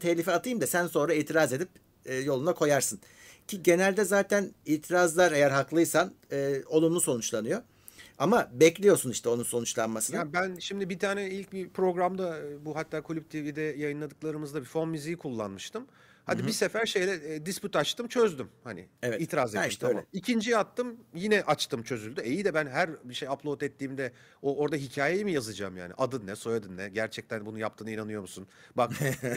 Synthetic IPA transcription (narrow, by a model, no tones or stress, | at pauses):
t̪ʰeclʲifiat̪ɯjɯmd̪asænso̞nɾaiːt̪ʰiɾaze̞d̪ipː | jo̞lˠunakʰo̞jaɾsɯn | cʰiɟe̞nælʲd̪ɛzaːt̪ʰæniːt̪ʰiɾazlˠaɾe̞jæɾɦaklˠɯjsanɯːo̞lˠumuso̞nut͡ʃlˠanɯjo̞ | amabɛclʲijo̞ɾsuniʃt̪ʰɛo̞nunso̞nut͡ʃlˠanmasɯnabænʃimd̪ibit̪ʰaːnɛilʲc̚bipʰɾo̞ɡɾamd̪abuɦat̪ʰːaːkʰulʲyp̚t̪ʰivid̪ɛjajɯnlˠad̪ɯklˠaɾɯmɯzd̪abifo̞nmizijikʰulˠːa̰nmɯʃt̪ɯm | had̪ibisefæɾʃe̞jlʲɛd̪ispyt̪at͡ʃt̪ʰɯmt͡ʃʰø̞zd̪ymhanɪ̰vɛiːt̪ʰiɾaːzet̪miʃt̪ʰamamicʰind͡ʒijat̚t̪ʰːɯmjinɛʔat͡ʃt̪ʰɯmt͡ʃʰø̞zylʲd̪ye̞jid̪ɛbænɦæɾbiʃejapʰlˠo̞t̪ɛt̪ʰːiːmd̪ɛ | oo̞ɾd̪aɦicʰaːjejimijazɯd͡ʒamja̰ːnḭʔad̪ɯnːɛso̞jad̪ɯnːɛɟæɾt͡ʃʰɛc̚t̪ʰænbunujap̚t̪ʰɯːnɯinanɯjo̞ɾmusunbak